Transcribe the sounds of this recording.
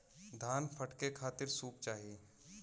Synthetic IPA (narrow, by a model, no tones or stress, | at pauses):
d̪ʱaːnpʰɐʈkekʰaːt̪ɪɾsuːp̚t͡ʃaːɦie